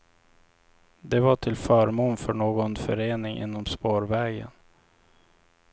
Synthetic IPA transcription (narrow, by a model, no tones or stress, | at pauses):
d̪ɛvaʈʰɪlfœːɾmuːnfœɳoːɡɔnfœɾeːnɪŋʔɪ̰nːɔmspoːɾvɛːɡə̰n